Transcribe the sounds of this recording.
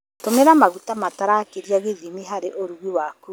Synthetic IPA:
ttomeɾamaɣutamataɾakeɾijaɣeðimiɦaɾeʔoɾuɣwiwaku

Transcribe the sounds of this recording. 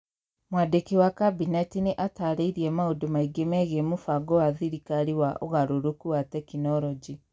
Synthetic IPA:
mwadekewakabinatineʔataɾeiɾiɛmaodomaiɡemɛɣemofaɡɔwaðiɾikaɾiwaʔɔɣaɾoɾokuwatɛkinɔɾɔd͡ʒi

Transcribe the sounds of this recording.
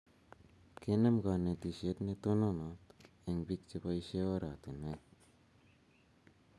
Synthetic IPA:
kenemɡanet̪iset̪net̪ononot̪ | eŋbik̚t͡ʃepaiseoɾat̪ene

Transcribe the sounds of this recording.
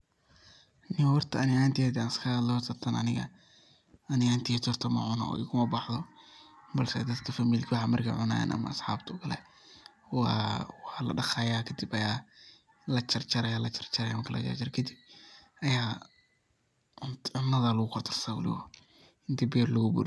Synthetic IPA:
nɪwwɑrt̪ʰɐɐnɪaːnt̪ʰɛːd̪ɛaːnɪskʰɐdlɔt̪ʰɐt̪ʰɐnɐ̰nɪɣɐ̰ | ɐnɪaːnt̪ʰit̪ʰɔrt̪ʰɐmɐ̰ʕʊnɐ̰ɔ̰ːɪkʰʊmɐbɑħðɔ | bɐlsɛ̰d̪ɐd̪kʰɐfɐmiːlkʰwɑħɑmɐrkʰa̰ʕʊna̰ːja̰nʔɐ̰mɐ̰ːsħɑːbt̪ʰʊʊkʰɐlɛ̰ | wɑwɑːlɐ̰ɖɐxajaːkʰɐd̪ibɐjaː | lɐt͡ʃɐrt͡ʃɐɾɐjaːlɐt͡ʃɐ̥rt͡ʃɐɾɐjamɐŋkʰɐlʔɐ̰t͡ʃɐ̰rt͡ʃɐɾɛkʰɐd̪ɪb̚ʔɐjaː | ʊnʕʊnːɐðɐlɐɣʊkʰʊrt̪ʰɪ̥rsaːwɐ̰lɪ̰wɐ | ɪnt̪ʰibɛːrlɐɣʊbṵɾ

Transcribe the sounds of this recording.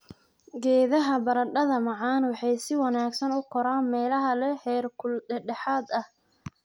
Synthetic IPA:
ɡɛːðɐɦɐbɐɾɐɖɐðɐmɑʕɑːnwɑħɑjsɪwɑnaːɡsɐnʊkʰɔɾaːnmɛːlɐɦɐlɛhɛːrkʰʊldɛɖɛħaːd̪ɐh

